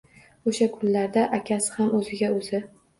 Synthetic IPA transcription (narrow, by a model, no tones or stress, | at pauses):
oʃakʰʊnlaɾd̪aʔakʲʰasɪ̥hamɵzɪɡʲaɵzɪ